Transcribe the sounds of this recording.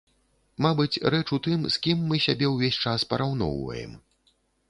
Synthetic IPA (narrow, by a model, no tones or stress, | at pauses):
mabɨt͡sʲrɛt͡ʂut̪ɨmskʲimːɨsʲabʲɛwvʲesʲt͡ʂaspɐɾawn̪ɔ̰wvɐ̰jɛ̰m